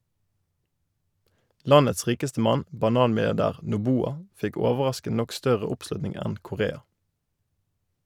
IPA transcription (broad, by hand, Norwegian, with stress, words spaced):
ˈlɑnəts ˈʁiːkəstə ˈmɑn bɑˈnɑːnmɪlɪɑʁˌdæːʁ nʊˈbuːɑ ˈfɪk ˈɔʋəʁɑskən ˈnɔk ˈstœʁə ˈʊpˌslʉtnɪŋ ˈɛn kʊˈʁeːɑ